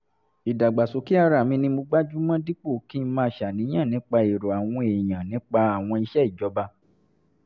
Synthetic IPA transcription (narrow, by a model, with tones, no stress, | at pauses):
i˨da˨ɡ͡ba˨so˨ki˦a˧ɾa˨mĩ˧nĩ˧mo˧ɡ͡ba˦d͡ʒu˦mã˦di˦k͡po˦˨ki˦mãː˧˦ʃa˨nĩ˨˦j̃ã˦˨nĩ˨˦k͡pa˧e˨ɾo˨a˨w̃ɔ̃˧e˨j̃ã˨nĩ˨˦k͡pa˧a˦˨w̃ɔ̃˧i˧ʃɛ˦i˦˨d͡ʒɔ˨˦ba˧